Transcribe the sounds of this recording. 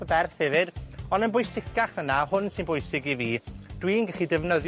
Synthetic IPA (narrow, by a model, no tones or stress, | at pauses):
əbɛrθhɛvɨdɔndənbʊjsɪkaχvənahʊnsɪnbʊjsɪɡiviːd̥wiːnɡɛχidɛvnəðj